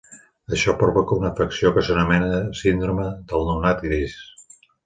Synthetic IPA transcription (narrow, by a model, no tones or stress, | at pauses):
əʃɔpɾoβokəunəfəksiokəsənumɛnəsind̪ɾoməd̪əlˠnuwnat̪iðis